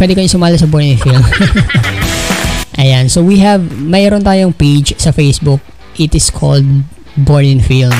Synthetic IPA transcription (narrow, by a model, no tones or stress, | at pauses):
pwɛd̪ɛkɐɲosʊmaːlɐsɐboɹnɪŋfilm | ʔɐjansowiɦɛvmɐʔɾont̪aːjoŋped͡ʒsɐfejsbʊk̚ | ʔɪt̪ɪskʰɔ̰ld̪̚ | boɹnɪŋfilm